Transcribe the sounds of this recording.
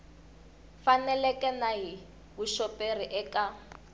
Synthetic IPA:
fanɛlɛkʼɛnaɦi | βuʃɔper̤iʔɛka

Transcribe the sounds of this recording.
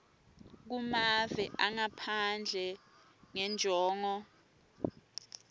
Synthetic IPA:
k̬umavɛʔaŋapʰand͡ɮʱɛ | ŋɛnd͡ʒʱɔːŋɔ

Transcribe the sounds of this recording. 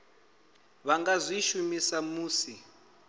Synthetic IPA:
βaŋɡazʷiʃumisamuːsi

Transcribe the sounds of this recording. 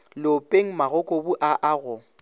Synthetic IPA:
lopʼeŋ̩maɣʊkʼobuʔaʔaɣʊ

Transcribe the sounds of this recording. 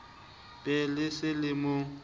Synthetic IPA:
pʼɛlɪsɪlɪmʊ

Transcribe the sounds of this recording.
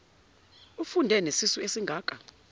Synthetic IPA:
ufundʱɛnesisuesiŋɡʱaːkʼa

